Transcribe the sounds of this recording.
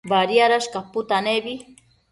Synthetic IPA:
baɾjaɾaʃkaput̪anebi

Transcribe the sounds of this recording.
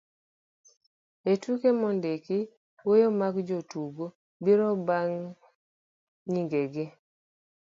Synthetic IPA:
etukemɔndeki | wojomakd͡ʒotuɡo | biɾɔbaŋ | ɲiŋɡeɡɪ

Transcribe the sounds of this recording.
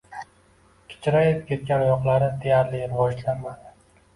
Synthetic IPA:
kʲʰɪ̥t͡ʃʰɾajep̚kʲʰet̪̚kʲanʊjɒqlˠaɾɪd̪ejaɾlɪɾɪvɒd͡ʒlanmad̪ɪ

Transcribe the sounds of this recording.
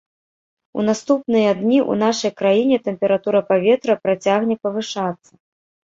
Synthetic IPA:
ṵnast̪upnɨjɐd̪nʲiʔṵnaʂɐjkɾajinʲɛt̪ɛmpʲɛɾat̪uɾɐpavʲɛt̪ɾɐpɾat͡sʲaɣnʲɛpɐvɨʂat̪sːɐ

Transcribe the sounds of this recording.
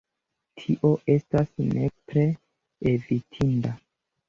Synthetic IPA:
tʰiʔo̞ʔe̞stasne̞pɾe̞ | evitʰinda

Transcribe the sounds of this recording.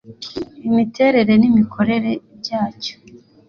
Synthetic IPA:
imite̞ːɾe̞ɾe̞nimikʰo̞ɾe̞ɾe̞bɟaːco̥

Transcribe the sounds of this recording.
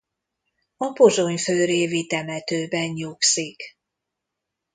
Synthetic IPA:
ɒpo̞zo̞ɲføːɾeːvit̪ɛmɛt̪øːbɛnɲuksik

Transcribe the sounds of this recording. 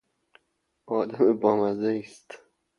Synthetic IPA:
ɒːd̪æmebɒːmæzeiːst̪

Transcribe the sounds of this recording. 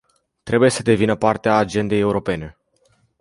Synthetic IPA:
t̪ɾe̞buje̞səd̪e̞vinəpart̪eaːd͡ʒe̞nd̪e̞je̞uɾo̞pe̞ne̞

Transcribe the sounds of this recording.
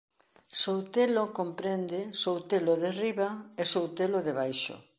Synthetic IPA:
sowt̪elokompɾend̪ɪsowt̪eloðeriβaesowt̪eloðeβajʃʊ̰

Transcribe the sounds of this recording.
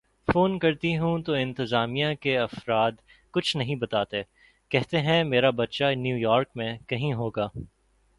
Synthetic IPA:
foːnkɐɾt̪iɦũt̪oɪ̃nt̪ɪzaːmijãkeɐfɾaːd̪ | kʊt͡ʃʰnɐɦĩbɐt̪aːt̪eː | kɛɦt̪eɦɛ̃meːɾabɐt̪ʃanjuːjɔːɾkmẽkɐɦĩɦoːɡaː

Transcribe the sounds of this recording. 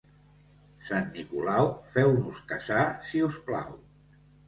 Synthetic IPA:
sanːikulawfɛwnuskazasiuspla̰w

